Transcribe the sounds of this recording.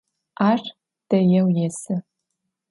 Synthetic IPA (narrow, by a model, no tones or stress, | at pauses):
aʂ | d̥ɐjɛwjɛsɨ